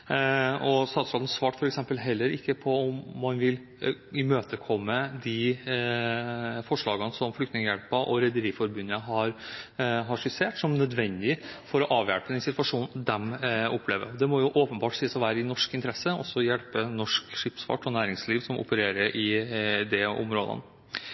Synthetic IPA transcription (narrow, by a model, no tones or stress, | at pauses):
ɔst̪ɑːt̪sɾɑːd̪n̩sfɑːʈfɔɾɛksɛmpəlɦɛlːəɾɪkːəpʰɔɔmːɑnʋɪl | ɪmøːt̪əkʰɔmːəd̪ɪ | fɔʂɭɑːɡənsɔmflʏkt̪nɪŋəjɛɽpəʔɔɾɛd̪əɾiːfɔɾbʉnːəɦɑɾ | ɦɑʂɪseːʈsɔmnœd̪ʋɛnd̪ɪfɔɾɔʔɑːʋjæ̰ɽpəd̪ɛnsɪt̪ʋɑʂuːnd̪ɛmɔpʰːleːʋə̰ɾɔd̪ɛmɔjʊʔoːpənbɑːʈsiːəsɔʋæːɾəɪnɔʂkɪnt̪əɾɛsəɔ̰sːɔjɛlpənɔʂkʂɪpsfɑ̰ːʈɔnæːɾɪŋsliːʋsɔmʔɔ̰pəɾeːɾəɾʔɪd̪ɛʊ̰mɾo̰ːd̪ə̰n